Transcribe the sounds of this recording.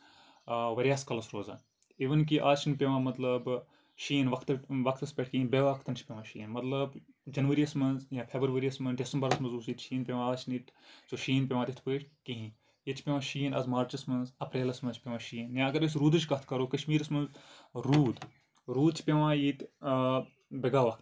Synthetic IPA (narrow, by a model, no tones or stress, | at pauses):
ʋɐɾʲjaːskɐlɐsɾoːza̰ːn | iʋɐnk̬iʔaːt͡ʃʰinpʲeʋãːmɐt̪lɐb | ʃiːnʋɐkʰt̪ʋɐkʰt̪ɐspʲeʈ̚ʰkĩɦĩbeʋakʰt̪ɐnt͡ʃʰpʲeʋãːʃḭːɐnmɐt̪lɐb | d͡ʒɐnʋɐɾiɐsmɐnzjãːpʰeːbɾʋɐɾiɐsmɐnɖesɐmbɐɾɐsmɐnzuːsiːt̪ʃiːnpʲeʋãaːt͡ʃʰnit̪soʃiːnpʲeʋãːd̪it̪ʰpɨʈʰkiɦĩ | jit͡ʃʰi̥pʲeʋãːʃijənɐ̰zmaːɾt͡ʃɐsmɐnzɐpɾeːlɐsmɐnt͡ʃʰpʲeʋãːʃiːnjãɐɡɐɾɐs̬ɾuːd̪ɨt͡ʃkɐt̪ʰkɐɾoːkɐʃmiːɾɐsmɐnzɾuːd̪ | ɾuːd̪t͡ʃʰi̥pʲeʋãːjit̪ | bɐɡaːʋɐkʰt̪